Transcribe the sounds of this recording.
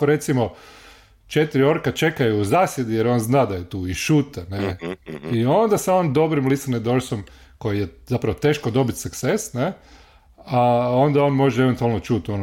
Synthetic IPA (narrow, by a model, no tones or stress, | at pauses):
koɾe̞t̪simo | t͡ʃet̪iɾio̞ɾkat͡ʃe̞kajuːzaːsje̞d̪ijeɾo̞ːnznaːd̪ajet̪uːiʃuːt̪aneio̞nd̪asaond̪o̞bɾimlisaned̪o̞ɾsom | ko̞jijezapɾaʋot̪e̞ːʃkod̪o̞bit̪sukt̪sesne | ao̞nd̪ao̞ːnmo̞ʒɛeʋe̞nt̪ualnot͡ʃuːt̪ono